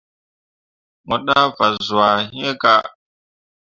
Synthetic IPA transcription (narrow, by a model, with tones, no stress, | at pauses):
mo˨ɗa˦va˨zu˨a˨hi˦e˦ka˦